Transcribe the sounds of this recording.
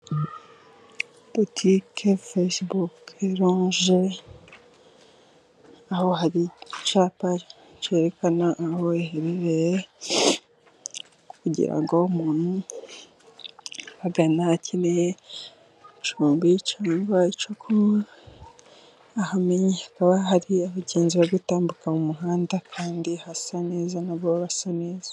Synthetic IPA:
botʰikʰefesbukeɾoːɲʒe | aho̞haɾit͡ʃaːpa | t͡ʃe̞ːɾekanaʔːhoeheɾeɾeje | kuɟḭɾa̰ŋɡoumuːn̥hu | aɡanacʰine | t͡ʃuːmbit͡ʃaːŋɡait͡ʃokʰo | ahameɲehakaβahaɾiaβaɟe̞ːnziβaɡutaːmbukamumuɦaːndakʰaːndihasane̞ːzanaβoβasane̞ːzḁ

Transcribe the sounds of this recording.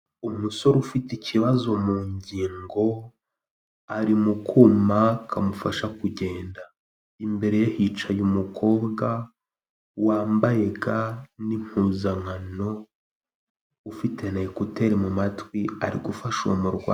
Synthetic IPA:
omuso̞ɾufiteciβazo̞muːɲɟiːŋɡo̞ | aɾimukʰumakʰamufaʃakuɟe̞ːnda | imbe̞ɾe̞jehit͡ʃajumukʰo̞ːbɡa | waːmbaje̞ɡanim̥huːzaŋano̞ | ufite̞naekote̞ɾimumatwiaɾiɡufaʃo̰muɾɡwaː

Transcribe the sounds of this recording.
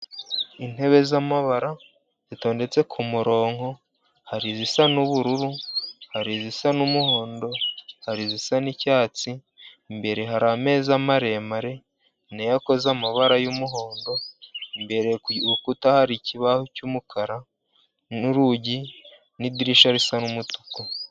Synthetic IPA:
in̥e̞βe̞zamaβaɾa | z̥ito̞ːnde̞t͡se̞kʰumuɾo̞ːŋ̥o̞ | haɾizisanuβuɾuɾuhaɾizisanumuho̞ːndo̞haɾizisanicaːt͡si | mbe̞ɾe̞ɦaɾame̞ːzamaɾe̞maɾe̞ | nejako̞zamaβaɾajumuɦo̞ːndo̞mbe̞ɾeukutahaɾiciβahucumukʰaɾa | uɾuɟi | nidiɾiʃaɾisanumutu̥ko

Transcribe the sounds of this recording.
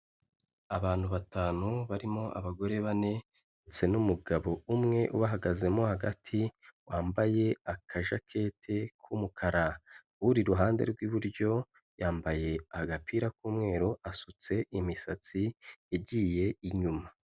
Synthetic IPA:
aβaːn̥huβataːnuβaɾimo̞ʔa̰βaɡo̞ɾe̞βane̞ | et͡se̞numuɡaβo̞umŋe̞ʔuβaɦaɡaze̞mo̞haɡa̰tʰiwaːmbaje̞akʰaʒakʰe̞ːtʰekʰumukʰaɾa | uɾiɾuɦaːndḛɾɡwiβuɾɟo̞ | jaːmbaje̞ahaɡapʰiːɾakuːmŋe̞ːɾoʔasut͡se̞ʔimisat͡sieɟiːje̞iɲuma

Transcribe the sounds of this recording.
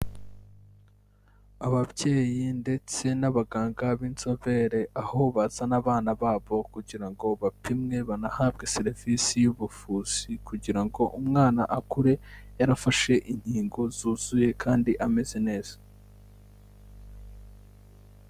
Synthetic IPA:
aβaβje̞ːjinde̞t͡se̞naβaɡaːŋɡaβiːnzoβe̞ːɾe̞ʔaho̞βazanaβaːnaβaːβo̞kuɟiɾaŋɡo̞βapʰimŋe̞βanahaːβɡe̞se̞ɾivisijuβufuːz̥ikuɟiɾaŋɡo̞ʔumŋaːnaʔakuɾe̞jaɾafaʃe̞ʔiɲ̥hiːŋɡo̞zuːz̥uje̞kʰaːndiʔame̞ze̞ne̞ːz̥ḁ

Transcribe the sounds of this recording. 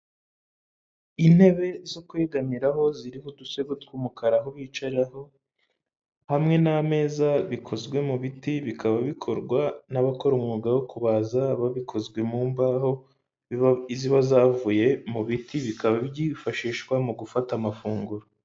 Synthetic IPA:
in̥he̞βe̞zokweːɡamiɾaɦo̞ziɾihoduse̞ɡwotwuːmukaɾaɦo̞βiːt͡ʃaɾaho̞ | hamŋe̞name̞ːzaβikʰo̞zɡwe̞muβitiβikaβaβikʰo̞ɾɡwanaβako̞ɾumŋuːɡawokuβazaβaβikʰo̞zɡwe̞muːmbaho̞ | iziβazaːvuje̞muβitiβikaβaβjiːfaʃiːʃkwamuɡufatamafuːŋɡuɾo

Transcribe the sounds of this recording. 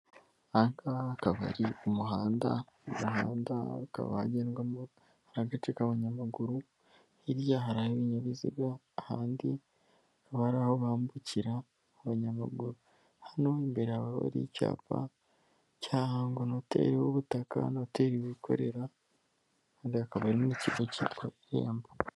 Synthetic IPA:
aŋkaːkaβa̰ɾiomuɦaːnda̰ | omuɦa̰ːnda̰ka̰βa̰ha̰ɟeːnɡam | haɾaɡatekaβaɲamaɡuɾu | hiɾjaɦaɾaheβiɲaβizḭβjaː | haːndi | βaɾahoβaːmbuciɾaː | βaɲamaɡuɾu | hano̞imbeɾeaβaβo̰ɾḭca̰ːpa̰ | caːhaːŋɡonotḛɾiβoβutaka̰noteɾiβikʰo̞̰ɾe̞ɾa | haːndiakaβaɾiniciɡociːtɡoeɾḛːmba

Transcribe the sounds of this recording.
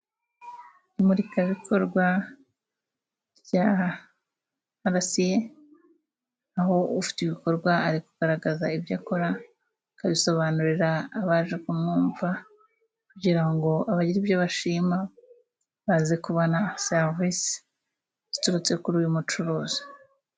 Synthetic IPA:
imuɾikaβikʰo̞ɾɡwa | ɾja | aɾasije | aɦo̞ufi̥tiβiko̞ɾɡwaaɾikuɡ̥aɾaɡazaibjako̞ɾa | kaβiso̞βanuɾiɾaːβaːʒekumnuːɱva | kuɟiɾaŋɡo̞ʔaβaɟiɾibjoβaʃiːma | βazekuβonaseɾvis | z̥ituɾut͡se̞kuɾuːjumut͡ʃuɾuːzi̥

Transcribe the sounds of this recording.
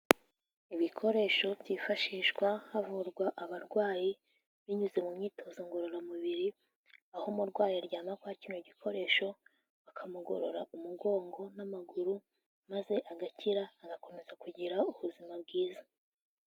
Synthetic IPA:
iβikʰo̞ɾe̞ːʃo̞bjifaʃiːʃɡwahavuɾɡwaʔaβaɾɡwaːji | βiɲuzemumɲiːtʰo̞zoŋɡo̞ɾo̞ɾamuβiɾi | ahomuɾɡwaːjiɾɟaːmakwohaciːnoɟikʰo̞ɾe̞ːʃo̞ | βakʰamuɡo̞̰ɾo̞ɾaʔumuɡo̞ːŋɡo̞namaɡuɾu | maze̞ʔaɡacʰiɾaːɡako̞me̞zakuɟiɾauβuzimabɡiːza

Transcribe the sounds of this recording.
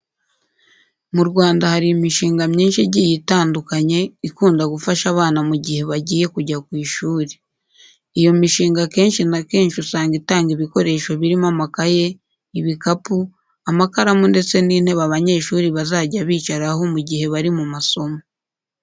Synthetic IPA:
muɾɡwaːndahaɾiimiʃiːŋɡamɲiːnʃiɟiːjitaːndukaɲe̞ikuːndaɡufaʃaβaːnamuɟihe̞βaɟiːje̞kuɟakwiːʃuːɾe | ijo̞miʃiːŋɡake̞ːnʃinake̞ːnʃiusaːŋɡitaːŋɡiβiko̞ɾe̞ːʃoβiɾimamakaje̞ | iβikapu | amakaɾamunde̞t͡se̞niːn̥he̞βaβaɲe̞ːʃuːɾiβazaːɟaβiːt͡ʃaɾaɦo̞muɟihe̞βaɾimumaso̞mo

